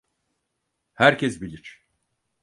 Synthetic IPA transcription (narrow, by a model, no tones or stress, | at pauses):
hæɾcʰɛsbilʲiɾ